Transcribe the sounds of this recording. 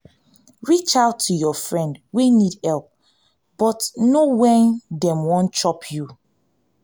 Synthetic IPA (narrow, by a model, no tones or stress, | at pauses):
ɹit͡ʃaʊtʰːujɔfɹɛ̃ndwinidhɛlp̚ | b̥ɔtnowɛdɛ̃mwɔ̃nt͡ʃɔpʰju